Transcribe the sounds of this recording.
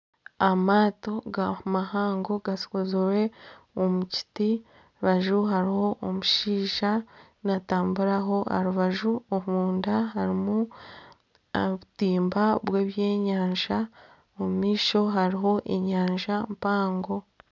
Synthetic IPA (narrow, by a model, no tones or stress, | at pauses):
amaːto̞ɡamahaːŋɡo̞ɡasi̥kozuɾe̞omuci̥ti | βaʒuɦaɾiho̞ʔomuʃiːʒa | nataːmbuɾaɦo̞a̰ɾuβaʒuoβuːndaɦaɾimu | βutiːmbaβweːβje̞ːɲaːɲʒa | omumiːʃo̞ɦaɾiɦo̞ʔeɲaːɲʒampaːŋɡo̞